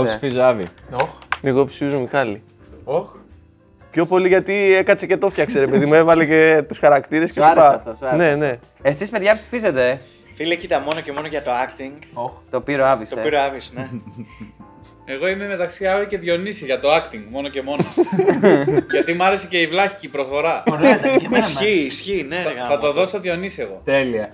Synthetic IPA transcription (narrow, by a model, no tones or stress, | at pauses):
sfizɐvḭoneɣopsi̥fizomixɐli | o | pço̞po̞liʝɐt̪iekɐsece̞t̪o̞ft̪çɐkse̞ɾe̞pe̞ðimuevɐlecet̪usxɐɾɐkt̪iɾeskeliɾpɐɐft̪osne̞ne̞ | esispeðʝɐpsi̥fize̞t̪e̞ | filecit̪ɐmo̞noce̞mo̞noʝɐt̪o̞ɐkt̪iŋɡot̪opiɾoɐvistoepiɾoɐvisne | eɣo̞ime̞me̞t̪ɐksiɐvice̞ðʝo̞nisiʝɐt̪oɐkt̪iŋɡmo̞noce̞mo̞n | ʝɐt̪imuɐɾeseceivlɐçicipɾoxo̞ɾɐ | siːsçineθɐt̪oðosɐðjo̞nisieɣot̪eliɐ